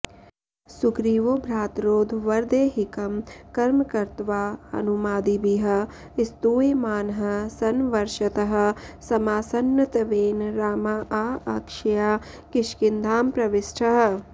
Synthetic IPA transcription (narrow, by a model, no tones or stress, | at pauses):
sukɾiːʋoːbʱɾaːt̪ɾoːd̪ʱʋɐɾd̪eːɦɪkɐmkɐɾmkɐɾt̪ʋaːɐ̰numaːd̪ibiɦɐ̆ | ɪst̪uːemaːnɦɐ̆sɐnʋɐɾʃɐt̪ɐɦɐ̆sɐmaːsɐnːɐt̪ʋeːnɾaːmaʔaːɐkʃɐjaː | kɪʃkɪnd̪ʱaːmpɾɐʋɪsʈʰɐɦɐ̆